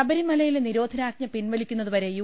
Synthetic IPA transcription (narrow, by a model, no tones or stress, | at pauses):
ɐbɐɾimɐlɐjileniɾo̞ːd̪ʱɐnaːk̚ɲɐpinʋɐlikʲːunːɐðuʋɐɾe̞ju